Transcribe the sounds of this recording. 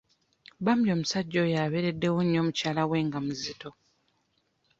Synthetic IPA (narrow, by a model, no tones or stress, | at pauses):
bamuljo̞ːmusaɟːo̞jaβeɾe̞dːe̞wuɲːo̞ːmucaːlawe̞ːŋɡamuzito̞